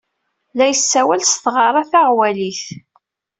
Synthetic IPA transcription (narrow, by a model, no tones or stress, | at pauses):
læjəsːæwælsθʁɑɾˤɑθaʁwæliθ